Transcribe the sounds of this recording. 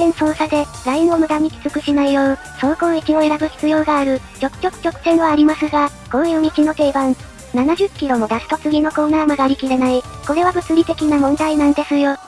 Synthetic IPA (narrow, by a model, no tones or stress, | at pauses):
ẽ̞ɰ̃so̞ːsad̪e̞ɾainomɯ̟d̪aɲ̟ikʲi̥t͡sɨkɯ̟ɕinaijo̞ː | so̞ːko̞ːikʲio̞e̞ɾabɯ̟çi̥t͡sɨjo̞ːɡaːɾɯ̟ | t͡ɕo̞kɯ̥t͡ɕo̞kɯ̟̥t͡ɕo̞kɯ̟̥t̪ẽ̞ɰ̃aːɾʲimasɨɡa | ɡ̥o̞jɯːɲ̟it͡ɕino̞t̪e̞ibãŋ | nanaʑɨkʲːiɾo̞mo̞d̪asɨ̥t̪o̞t͡sɨɡʲino̞ko̞ːnaːmɯɡaɾʲikʲiɾenaiko̞ɾe̞β̞abɯ̟t͡sɨɾʲit̪e̞kʲinamõ̞nd̪ainãnd̪e̞sɨjo̞